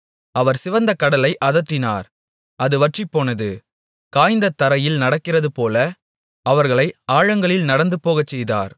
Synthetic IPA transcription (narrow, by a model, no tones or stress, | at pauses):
ʔɐʋɐɾsɪʋɐnd̪ɐkɐɽɐlɐɪʔɐðɐʈ̪ːɪna̰ːɾ | ʔɐðɯʋɐʈripːoːnɐðɯ | kaːjnd̪ɐt̪ːɐɾɐjɪlnɐɽɐkːɪrɐðɯpoːlɐ | ɐʋɐɾɣɐɭɐɪaːɻɐŋɡɐɭɪlnɐɽɐnd̪ɯpːoːɣɐt͡ʃːɛjða̰ːɾ